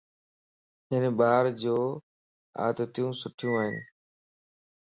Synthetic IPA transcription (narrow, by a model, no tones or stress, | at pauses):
ɪnbaːɾd͡ʑoː | a̰ːd̪ət̪jũːsʊʈʰijũːaːɦɪn